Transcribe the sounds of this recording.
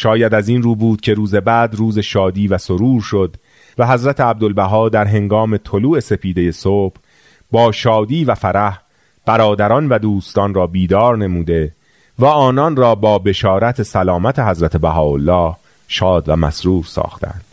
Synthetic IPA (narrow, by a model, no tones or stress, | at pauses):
ʃɒːjæd̪æzinruːbuːd̪̥̚cʲʰe̞ɾuːze̞bæːd̪ruːze̞ʃɒːd̪iːvæsoɾuːɾʃo̞d̪ | væɦæzɾæt̪ʰeæb̚d̪o̞lbæɦɒːd̪æɾɦe̞ŋɡɒːme̞t̪ʰo̞luːe̞se̞pʰiːd̪e̞je̞soːb̥ | bɒːʃɒːd̪iːvæfæɾæh | b̥æɾɒːd̪æɾɒːnvæd̪uːst̪ɒnrɒːbiːd̪ɒːɾne̞muːd̪e̞ | væɒːnɒnrɒːbɒːbe̞ʃɒːɾæt̪ʰe̞sælɒːmæt̪ʰe̞hæzɾæt̪ʰe̞bæɦɒːolːɒːh | ʃɒːd̪væmæ̰sɾuːɾsɒ̰ːxt̪ʰæ̰nd̪̥